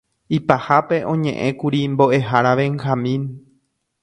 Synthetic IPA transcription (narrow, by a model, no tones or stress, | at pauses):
ipahape̞ʔõ̞ɲẽʔẽkuɾimbo̞ʔe̞ɦaɾaʋeŋxãmĩn